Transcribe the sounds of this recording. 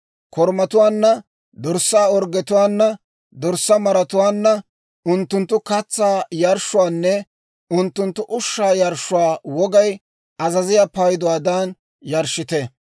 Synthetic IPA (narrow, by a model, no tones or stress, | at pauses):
kʰɔɾmɐt̪ʊwaːnːɐ | d̪ɔɾsːaːɔɾɡɛt̪ʊwaːnːɐ | d̪ɔɾsːɐmɐɾɐt̪ʊwaːnːɐ | ʊnt̪ːʊnt̪ːʊkɐt͡sːaːjɐɾʃːʊwaːnːɛ | ʊnt̪ːʊnt̪ːʊʔʊʃːaːjɐɾʃːʊwaːwɔɡɐj | ɐzɐzɪjaːpɐjd̪ʊwaːd̪aːn | jɐɾʃːɪt̪ɛ